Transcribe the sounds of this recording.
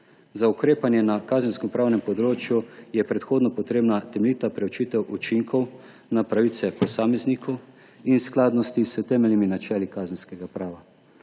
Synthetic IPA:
zaukɾeːpanjɛnakaːzənskɛmpɾaːwnɛmpɔd̪ɾoːt͡ʃjujɛpɾɛt̪xoːd̪nɔpɔt̪ɾeːbnat̪ɛmɛlit̪apɾɛwt͡ʃiːt̪ɛwut͡ʃiŋkʰɔw | napɾaʋiːt̪sɛpɔsaːmɛznikʰɔw | insklaːd̪nɔst̪isət̪ɛːmɛlniminat͡ʃɛːlikaːzənskɛɡapɾaːʋa

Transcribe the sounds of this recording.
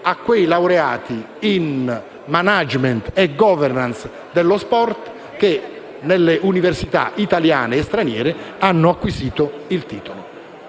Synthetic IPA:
akːwejlawɾeaːt̪i | in | manad͡ʒment̪ɛɡɔːvɛrnans | d̪elːospɔrt̪ | k̟e | nelːeʔuniversit̪a̰ʔit̪alja̰ːneːst̪ɾanjɛ̰ːɾɪanːʊakːwisiːt̪ʊilt̪iːt̪olo

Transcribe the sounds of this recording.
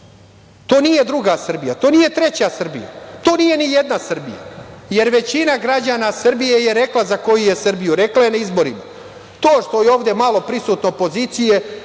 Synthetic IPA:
t̪o̞ːnije̞d̪ɾuɡasr̩bijat̪o̞ːnije̞t̪ɾet͡ɕasr̩bḭja̰t̪o̞ːnije̞nijed̪nasr̩bḭja̰je̞ɾʋe̞t͡ɕinaɡɾad͡ʑanasr̩bije̞je̞ɾe̞klˠazako̞juje̞sr̩bijuɾe̞klaje̞naizbo̞ɾima | t̪oːʃt̪o̞jeo̞ːʋvd̪e̞malo̞pɾisuːt̪noopo̞ziːt̪sije̞

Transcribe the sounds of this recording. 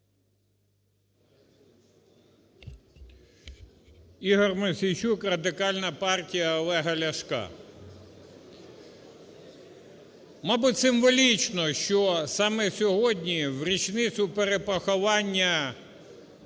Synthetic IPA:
iɦɔrmesʲijt͡ʃukrɐd̪ɪkɑlʲnɐpɑrtʲijɐɔlˠɛɦɐlʲɐʃkɑ̰ | mɑbʊtʲsɪmʋɔlʲit͡ʃnɔʃt͡ʃɔsɑmɛsʲɔɦɔdʲnʲiwɾʲit͡ʃnɪt͡s̪ʲʊpeɾepɔxɔʋɑnʲːɐ

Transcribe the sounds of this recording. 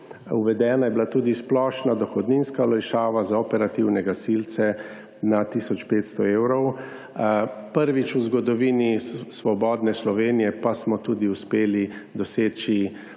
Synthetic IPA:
uʋɛd̪ɛːnajɛbilat̪uːd̪isplɔːʃnad̪ɔxɔd̪ninskalɛjʃaːʋazaɔpɛɾat̪iwnɛɡasilt̪sɛ | nat̪iːsɔt͡ʃpeːt̪st̪ɔeːwɾɔw | pəɾʋit͡ʃuzɡɔd̪ɔʋiːnisʋɔbɔːd̪nɛslɔʋeːnijɛpasmɔt̪uːd̪iuspeːlid̪ɔseːt͡ʃi

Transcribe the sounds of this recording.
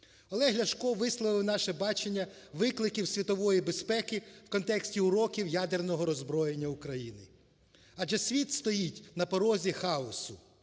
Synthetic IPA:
ɔlˠɛɦlʲɐʃkɔʋɪslˠɔʋɪwnɑʃɛbɑt͡ʃenʲːɐ | ʋɪklˠɪkʲiwsʲʋʲit̪ɔʋɔjibespɛkɪwkɔnt̪ɛksʲtʲiʊɾɔkʲiwjad̪ernɔɦɔɾɔzbɾɔjenʲːɐukɾɐjinɪ | ɐʒɛsʲʋʲit̪st̪ɔjitʲnɐpɔɾɔzʲixɑɔsʊ

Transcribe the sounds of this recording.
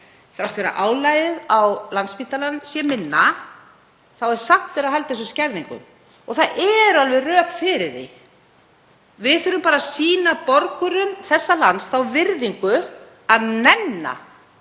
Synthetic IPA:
θɾawt̪fɛɾa̰ʔaːwlajðɪðawlant̪sfpiːt̪alanːsjɛmɪnːa | θawɛɾ̥saht̪vɛɾahɦalt̪ɪθɛs̬ʏscɛɾðiŋkʏ̰m | ɔɣθaðʔɛɾʏalvɛrœːkfɪɾɪɾðɪ̰ | vɪðθʏɾʏmpaːɾasiːnapɔɾkʏɾʏmθɛsːalansθawvɪɾðiŋkʏ | aðnɛnːa̰

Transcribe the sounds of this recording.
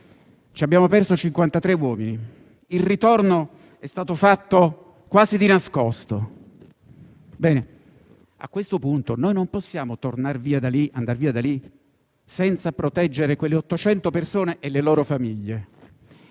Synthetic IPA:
t͡ʃiabːjaːmopɛrsot͡ʃiŋkwant̪at̪ɾewɔːmini | ilrit̪orno | ɛst̪aːt̪ofat̪ːo | kwaːzid̪inaskɔst̪o | bɛːne | a̰kːwest̪opunt̪onojnomposːjaːmot̪ornarviːad̪aliʔand̪arviːad̪ali | sɛnt̪sapɾot̪ɛd͡ʒːeɾekwelːeɔt̪ːot͡ʃɛnt̪opersoːneʔelːelɔːɾofamiʎːe

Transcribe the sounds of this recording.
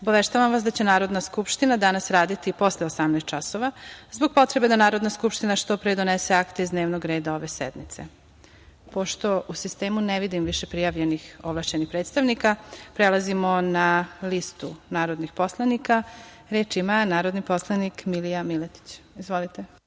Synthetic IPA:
obaʋeʃt̪aʋamʋasd̪at͡ɕe̞naːɾo̞d̪naskupʃt̪inad̪anasɾaːd̪it̪ipo̞sleosamnaːst̪t͡ʃaso̞ʋazbo̞ɡ̚po̞t̪ɾebe̞d̪anaːɾo̞d̪naskupʃt̪inaʃt̪o̞pɾed̪o̞neseakt̪e̞izd̪ne̞ːʋnoɡɾe̞ːd̪ao̞ʋe̞sḛd̪mit̪se̞̰ | po̞ʃt̪o̞usist̪e̞ːmuneʋid̪imʋiʃe̞pɾijaʋʎenixoʋlˠaʃt͡ʃenixpɾe̞ːt̪st̪aʋnikapɾe̞lˠazimo̞nalist̪unaːɾo̞d̪nixpo̞slˠanika | ɾe̞ːt͡ʃimanaːɾo̞d̪nipo̞slˠanikmilijamilet̪i̥t͡ɕizʋo̞lit̪e

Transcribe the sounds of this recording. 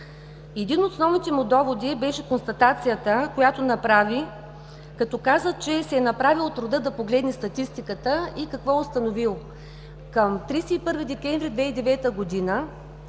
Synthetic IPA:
ɛd̪inot̪snɔvnit̪ɛmud̪ɔvod̪ibɛʃɛkonst̪ɐt̪at̪sijət̪əkojat̪onɐpɾavi | kɐt̪ɔkazət͡ʃɛsɛːnɐpɾavilˠt̪ɾʊd̪əd̪ɐpoɡlɛd̪nɛst̪ɐt̪ist̪ikət̪əikɐkvɔʊst̪ɐnovilˠ | kəmt̪ɾisɛipɤɾvid̪ɛkʲɛɱvɾid̪vɛid̪ɛvɛt̪əɡod̪inə

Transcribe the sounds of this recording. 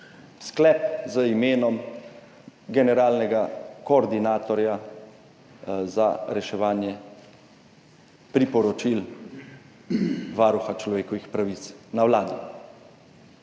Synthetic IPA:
sklɛp̚zəimeːnɔm | ɡɛnɛɾaːlnɛɡakɔːɾd̪inaːt̪ɔɾja | zaɾɛʃɛʋaːnjɛ | pɾipɔɾɔt͡ʃil | ʋaːɾuxat͡ʃlɔʋeːkɔʋixpɾaʋit̪snawlaːd̪i

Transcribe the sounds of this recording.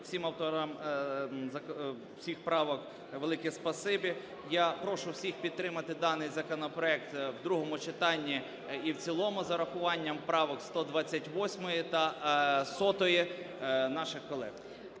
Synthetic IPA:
sʲimɐwt̪ɔɾɐm | zɐ | sʲixpɾɑʋɔk | ʋelˠɪkʲispɐsɪbɪ | japɾɔʃʊwsʲixpʲid̪̚t̪ːɾɪmɐt̪ɪd̪ɑnɪjzɐkɔnɔpɾɔɛk̚t̪wd̪ɾuɦɔmʊt͡ʃɪt̪ɑnʲːi | iwt͡sʲilˠɔmʊzɐɾɐxʊʋɑnʲːɐmpɾɑʋɔkst̪ɔd̪ʋɑt͡sʲːɐtʲʋɔsʲmɔjit̪ɐsɔt̪ɔji | nɑʃɪxkɔlˠɛ̰ɣ

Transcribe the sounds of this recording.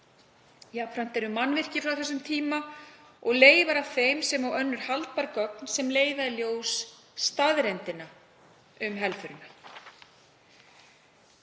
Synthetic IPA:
japfɾan̥t̪ɛɾʏmːanːvɪr̥cɪfɾawθɛsːʏmt̪ʰiːma | ɔɣleːjvaɾav̥θejmsɛmawœnːʏɾ̥halt̪̚paɾkœk̚nsɛmleːjvaðɪljoːwsː | t̪aðɾɛnt̪ɪna | ʏmɦɛlfʏɾʏna

